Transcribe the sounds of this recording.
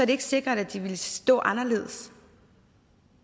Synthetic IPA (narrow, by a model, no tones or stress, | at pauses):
sɒɐɾ̥ee̝ɡ̥se̝ɡ̥ʁɐd̥æd̥iʋe̝lsd̥ɔ̰̽ːʔɑ̈nɐle̝̰ːðˠs